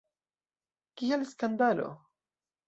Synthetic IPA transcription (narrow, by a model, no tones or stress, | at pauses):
kialskand̪alo̰